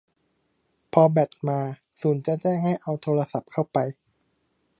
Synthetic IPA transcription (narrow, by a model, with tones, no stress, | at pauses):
pʰɔː˧bɛː˨˩t̪̚maː˧ | suː˩˦nt͡ɕa˨˩t͡ɕɛː˥˩ŋha˥˩jʔa˧wt̪ʰoː˧ɾa˧sa˨˩p̚kʰa˥˩wpa˧j